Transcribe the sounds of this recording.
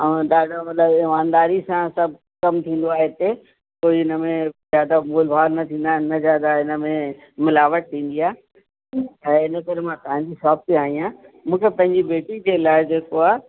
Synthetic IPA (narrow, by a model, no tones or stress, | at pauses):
ɐ̃ɗaːɖʱomɐt̪ləbɪmãːnd̪aːɾisãsɐbʱ | kɐmt̪ʰĩːnd̪oaːɦet̪e | koːiɪnəmẽzjaːd̪amoːlbʱaːɾnɐt̪ʰĩːn̆d̪aːnəzjaːd̪aɪnə̆mẽ | mɪlaːʋəʈ̚t̪ʰĩːnd̪iaː | ɐ̃ɪnəkɐɾemãːt̪ɐɦãɲd͡ʑisaːb̚t̪iaːɦĩã | mũːkʰepɐ̃ɦɪ̃ɲd͡ʑibeːʈid͡ʑeːlaːɪd͡ʑeːkoaː